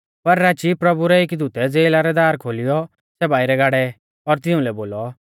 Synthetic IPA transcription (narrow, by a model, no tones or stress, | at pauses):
pɐɾːaːt͡ʃipɾɐbuɾɛɪkd̪ut̪ɛd͡zeːlaɾɛd̪aːɾkʰoːlɪjɔ | sɛbaːiɾɛɡaːɽɛ | ɔɾt̪̬ɪũlɛboːlɔ